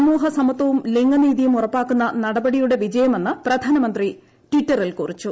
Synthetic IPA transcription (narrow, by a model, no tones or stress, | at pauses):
ɐmuːɦɐsɐmɐt̪ːɐʋumliŋɡɐniːðijumurɐpːaːkːunːɐnɐɽɐbɐɽijuɽe̞ʋid͡ʑɐjɐme̞nːɨprɐd̪ʱaːnɐmɐnd̪ri | ʈwiʈːɐrilkurit͡ɕːu